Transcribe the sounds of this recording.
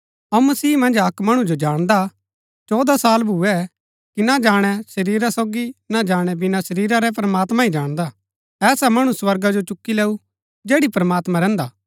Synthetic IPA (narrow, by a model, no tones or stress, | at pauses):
ɐũmɐsiːmɐ̃nd͡ʒɐkmɐɽ̃ũd͡ʒod͡ʒaːɽ̃d̪a | t͡ʃɔːd̪asaːlbʱʊɛ | kinad͡ʒaːɽ̃ɛʃɐɾiːɾasoːɡinad͡ʒaːɽ̃ɛbɪnaʃɐɾiːɾaɾɛpɾɐmaːt̪mãid͡ʒaːɽ̃d̪a | ɛːsamɐɽ̃ũswɐɾɡad͡ʒot͡ʃʊkːileːu | d͡ʒeːɽipɾɐmaːt̪mãɾɛ̃ːnd̪aː